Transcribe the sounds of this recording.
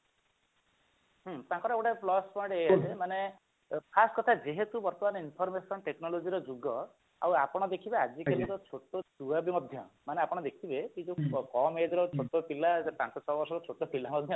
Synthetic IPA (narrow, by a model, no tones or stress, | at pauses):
ɦt̪ãŋkɔɾɔekʈaplɔspɔjɽeejasʰemane | pʰaskɔt̪ʰad͡ʒeɦet̪ubɔɾt̪ɔmanɔinpʰɔɾmesɔnʈeknɔlod͡ʒiɾɔd͡ʒuɡɔ | a̰wapɔɽ̃ɔd̪ekʰibead͡ʒikelit̪ɔt͡ʃʰoʈotuabimɔd̪ʱjɔ̰maneapɔɽ̃ɔd̪ekʰibeid͡ʒukɔmed͡ʒɔɾɔt͡ʃʰoʈɔpilaepãnsɔt͡ʃʰɔbɔɾsɔɾɔt͡ʃʰoʈɔpilamɔd̪ʱjɔ